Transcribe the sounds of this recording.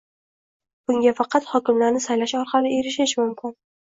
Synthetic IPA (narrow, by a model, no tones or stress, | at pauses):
b̥ʊŋɡʲafɑqʰɑt̪hɒkʲɪmlaɾnɪsajlaʃɒɾqʰɑlɪe̞ɾɪʃ̬ɪʃmʊmkʲʰɪn